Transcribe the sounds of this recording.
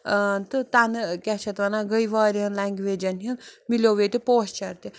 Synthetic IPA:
t̪ɨt̪anɨkʲat͡ʃʰɐt̪ʋɐnaɡəjʋaːɾʲiɦənlaŋɡʋeːd͡ʒɐnɦinmilʲoʋet̪ʲipoːst͡ʃʰɐɾt̪i

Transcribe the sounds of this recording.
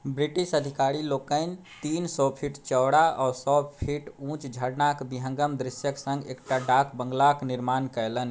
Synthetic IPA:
bɾiʈiʃəd̪ʱikaɾilokəɪn | t̪insɔpʰiʈt͡ʃəwɽaɔsɔpʰiʈũt͡ʃd͡ʒʱəɽnakbiɦə̃ŋɡəmd̪ɾisjəksə̃ŋɡḛkʈaɖakbəŋɡlakniɾmankəjlən

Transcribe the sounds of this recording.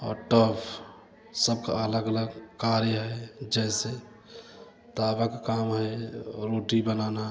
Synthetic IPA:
ɔ̰ːɾʈəpʰ | səb̚ka̰ələɡələɡkaɾjəɦɛd͡ʒɛse | t̪abəkkamɦɛɾoʈibənana

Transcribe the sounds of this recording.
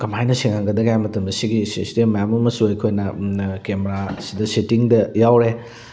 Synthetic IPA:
kɐmajnɐsiŋaŋɡɐdɐɡjamɐtɐmdɐsiɡisistemːɐjamɐmɐsuejkʰojnɐkemeɾasidɐsetiŋdɐjawɾe

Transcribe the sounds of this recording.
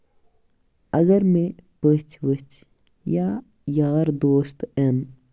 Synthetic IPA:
ɐɡəɾmẽpət͡ʃʰʋət͡ʃʰ | ja | jaːɾd̪oːst̪en

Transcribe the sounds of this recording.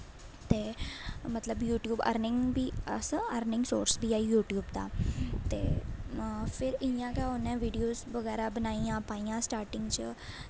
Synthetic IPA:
t̪emət̪ləbjuːʈjuːbə̰ɾnɪ̃ŋɡbʱiːəsəəɾnɪ̃ŋɡso̰ːɾsbʱiaːijuːʈjuːbt̪a̰t̪ḛ | fɪɾĩjãkaonẽʋiːɖijoːsʋəɡɛːɾabənaːĩãpaːĩãsʈaːɾʈɪ̃ŋɡt͡ɕə

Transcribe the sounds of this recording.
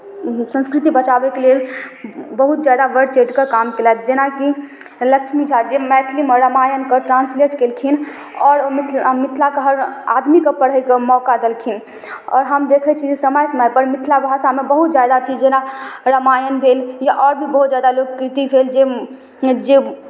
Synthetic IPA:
sə̃nskɾit̪ibət͡ʃabɛkelel | bəɦut̪̚d͡ʒjad̪aʋəɾɖt͡ʃeɖkekamkelat̪d͡ʒenaki | ləkt͡ʃʰmid͡ʒʰʱad͡ʒemɛʈ̪ʰlimeɾəmajənkəʈɾãnsleʈkelkʰin | ɔːɾmit̪ʰmit̪ʰlakəɦəɾa̰d̪mikepəɽ̤əjkemɔkad̪elkʰin | ɔ̰ːɾɦəmd̪ekʰɛt͡ʃʰid͡ʒesəməjsəməjpəɾmit̪ʰlabʱasamebəɦut̪d͡ʒjad̪at͡ʃid͡ʒd͡ʒenaɾəmajənbʱeljaʔɔɾbʱibəɦut̪d͡ʒjad̪alokkɾit̪ipʰeld͡ʒe | d͡ʒe

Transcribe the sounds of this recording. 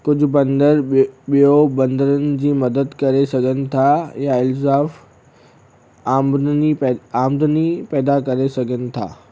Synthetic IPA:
kʊd͡ʑʱʊ̆bɐ̃nd̪əɾɓijobɐ̃nd̪əɾənɪ̆d͡ʑiːmɐd̪əd̪kɐɾesɐɡʱənɪ̆t̪ʰajaɪlzaːf | aːmniɛaːmd̪ənipɛːd̪akɐɾesɐɡʱənɪ̆t̪ʰa̰ː

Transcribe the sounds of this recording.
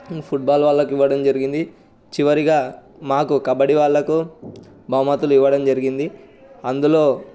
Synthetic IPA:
pʰuʈ̚baːlʋaːɭːɐkuiʋːɐɽɐmd͡ʒɐɾiɡind̪i | t͡ʃiʋɐɾiɡaː | maːkukɐbɐɽiʋaːɭːɐku | bʱɐʋmɐt̪uluiʋːɐɽɐmd͡ʒɐɾiɡind̪i | ɐnd̪uloː

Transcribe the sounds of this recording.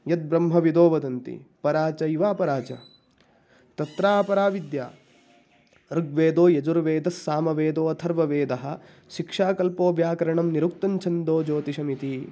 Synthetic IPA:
jɐt̪̚bɾɐmɦɐʋid̪oːʋɐd̪ɐnt̪ḭpɐɾaːt͡ʃɐiʋaːpɐɾaːt͡ʃɐ̰ | t̪ɐt̪ɾaːpɐɾaːʋid̪ja̰ː | ɾɨɡʋeːd̪oːjɐd͡ʒuɾʋeːd̪ɐsːaːmɐʋeːd̪oːɐt̪ʰɐɾʋɐʋeːd̪ɐɦɐ̆ | ʃikʂaːkɐlpoːʋjaːkɐɾɐɳɐmniɾuk̚t̪ɐɲt͡ʃʰɐnd̪oːd͡ʒoːt̪iʃɐmit̪i

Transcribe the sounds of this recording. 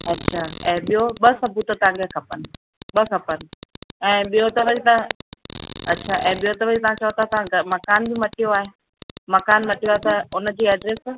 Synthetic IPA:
ɐtːʃʰaːɛ̃ːɓijoɓɐsɐbʱut̪t̪ɐɦãŋɡekʰɐpənɪ̆ | ɓɐkʰɐpənɪ̆ɛ̃ːɓijot̪ɐʋɐd͡ʑit̪ɐ | ɐtːʃʰaːʔɛ̃ːɓijot̪ɐʋɐd͡ʑit̪ɐʋ̤ãt͡ɕɐɦot̪ʰat̪ɐʋãɡmɐkaːnbʱimɐʈijoaːɦe | mɐkaːnmɐʈijoaːɦet̪ɐʊnə̆d͡ʑiːɛːɖɾeːs

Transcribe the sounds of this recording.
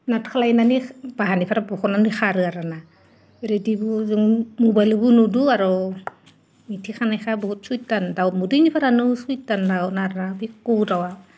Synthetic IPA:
natkʰalajnanibaɦanipʰaɾabɔkɔnanixaɾɯaɾana | eɾedibuzɯŋmubajlbunuduaɾɔ | mitʰixʰanajxʰabɔhut̚sujtandawmudujnipʰaɾanusujtandawnaɾnabikudawa

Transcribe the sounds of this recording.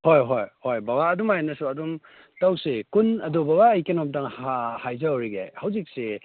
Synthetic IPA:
hojɦojhojbabaːdumajnɐsuɐdum | tawsekunɐdobabaɐjkenomtaŋhahajzawɾiɡḛhawzik̚se

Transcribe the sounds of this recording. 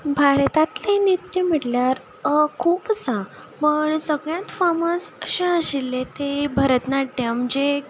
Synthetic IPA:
bʱaɾt̪at̪lenit̪jəm̤əɽljaɾ | kʰuːpt͡sa | məɳsəɡɭjãt̪faməsəɕẽəɕilːet̪ebʱəɾət̪naʈ̚ɖamd͡ʑe

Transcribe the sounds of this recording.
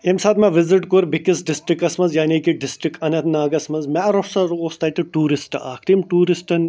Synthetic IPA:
emsaːt̪mɐʋɪzɪʈkoɾbɪkisɖɪsʈɾɪkɐsmɐnzjaːniːkiɖɪsʈɾɪkɐnɐt̪ʰnaːɡɐsmɐnzmɛːɾofsɐɾoːst̪ɐːt̪iʈuːɾisʈa̰ːkʰt̪imʈuːɾɪsʈɐn

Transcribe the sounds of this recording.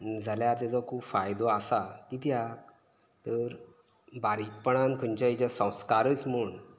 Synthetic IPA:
d͡zʱaljaɾt̪ed͡zɔkʰuːpfajd̪oasakit̪ja | t̪əɾ | baɾipəɳ̃ãnkʰəɲt͡ɕait͡ɕasə̃w̃skaɾət͡sm̤əɳ

